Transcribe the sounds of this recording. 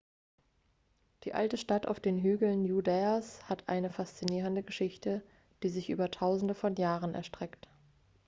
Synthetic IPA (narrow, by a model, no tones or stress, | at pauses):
d̥iːʔa̰ltəʃtata̰ʊfd̥eːnɦyːɡl̩njudɛashatʰʔa̰ɪnəfast͡siniːʁ̞əndəɡəʃɪçtə | d̥iːzɪçʔy̰ːbɐtʰaʊzn̩dəfɔnjaːʁənʔɛ̰ɐʃtʁ̥ɛkt